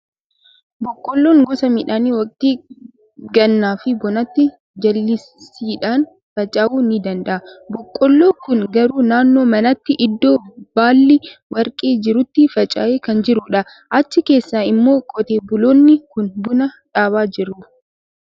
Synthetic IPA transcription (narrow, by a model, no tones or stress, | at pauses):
bɔkʼːɔlːoːŋɡɔsɐmɪᶑaːniːwɐkʼt̪iː | ɡɐnːaːfɪbɔnɐt̪ːɪ | d͡ʒɐlːɪ | siːᶑaːn | fɐt͡ʃʼɐʔuːnɪd̪ɐnd̪ɐʔɐbɔkʼːɔlːoːkʊnɡɐɾuːnaːnːo̞ːmɐnɐt̪ːɪʔɪd̪ːo̞ːb̥aːlːɪwɐɾkʼeːd͡ʒɪɾʊt̪ːɪfɐt͡ʃʼɐʔeːkɐnd͡ʒɪɾʊᶑɐ | ʔɐt͡ʃːɪke̞ːsːaːɪmːo̞ːkʼɔt̪eːbʊloːnːɪkʊnbʊnɐᶑaːβaːd͡ʒɪɾːuːf